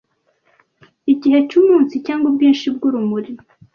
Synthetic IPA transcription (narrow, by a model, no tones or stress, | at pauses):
iɟihet͡ʃumuːnsicaːŋɡubɡiːnʃib̚ɡuɾumuɾi